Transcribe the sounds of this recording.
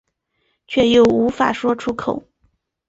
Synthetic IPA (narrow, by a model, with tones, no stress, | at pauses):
t͡ɕʰɥɛ˥˧jo˥˩ʊu˧˥fa˨˩ʂwɔ˥ʈ͡ʂʰu˥kʰo˨˩˦ʊ